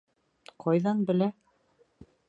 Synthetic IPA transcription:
qʰɑjðɑnbɘ̆læ

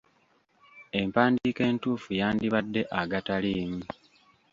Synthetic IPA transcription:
e̞mpaːndiːke̞ːntuːfujaːndiβadːe̞ʔaɡataliːmu

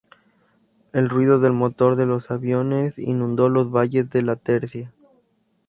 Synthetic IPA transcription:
e̞lrwiðo̞ðe̞lmo̞t̪o̞ɾðe̞lo̞saβjo̞ne̞sḭnũnd̪o̞lo̞zβaʝezðe̞lat̪e̞ɾsja

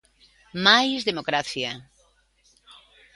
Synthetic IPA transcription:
majzðemokɾaθja

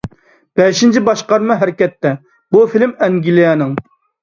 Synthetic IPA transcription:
b̥ɛʃint͡ʃʰibɑʃqɑɾmɨɦæɾɪkʲɛt̪ːɛ | bufilɪmɛŋɡʲilijɛnɨŋ

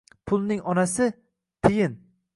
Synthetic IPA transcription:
pʰʊlˠnɪŋɒnasɪ | t̪ʰejɪn

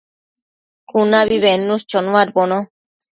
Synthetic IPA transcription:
kunaβiβenːust͡ʃɔnʋaɾbɔnɔ

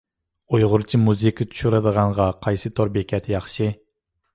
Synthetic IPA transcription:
ujʁʊɾt͡ʃʰimuzekʲit̪ʰu̥ʃuɾɑd̪əʁɑɴʁɑqʰɑjsɨt̪ʰoɾbekʲʰɛt̪ʰɪjɑχʃɨ

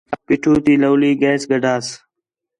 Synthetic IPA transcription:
pɪʈʰuːt̪iːləːliːɡeːsɡəɖʱaːs

